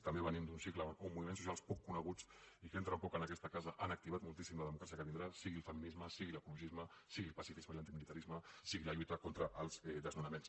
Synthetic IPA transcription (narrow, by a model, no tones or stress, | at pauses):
t̪əmbeβənimd̪unsikləumːuβimens̬usialˠspɔkːunəɣ̞ut͡sikent̪ɾəmpɔkənəkɛst̪əkazəʔanək̚t̪iβat̪mulˠt̪isimləðəmukɾasiəkəβind̪ɾasiɣilˠfəminizməsiɣiləkuluʒizməsiɣilˠpɐsifizməilant̪imilit̪aɾizməsiɣiləʎut̪əkont̪ɾəʔːlˠz̥ɛd̪əznunəmens